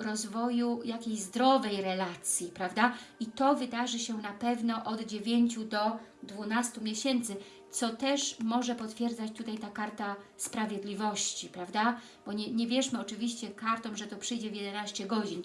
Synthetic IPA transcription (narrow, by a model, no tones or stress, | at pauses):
ɾɔzvɔjujakʲejzd̪ɾɔvɛjɾɛlat̪sʲjipɾavd̪ait̪ɔvɘd̪aʐɘɕɛnapɛvnɔʔɔd̪d͡ʑevʲjeɲt͡ɕud̪ɔd̪vunast̪umʲjeɕɛnt̪sɘ | t̪sɔt̪ɛʂmɔʐɛpɔt̪fʲjɛɾd̪zat͡ɕt̪ut̪ajt̪akaɾt̪aspɾavʲjɛd̪lʲivɔɕt͡ɕipɾavd̪a | b̥ɔɲɛɲɛvʲjɛʂmɘɔt͡ʂɘvʲiɕt͡ɕɛkaɾt̪ɔ̃mʐɛt̪ɔpʂɘjd͡ʑɛvjɛd̪ɛnaɕt͡ɕɛɡɔd͡ʑin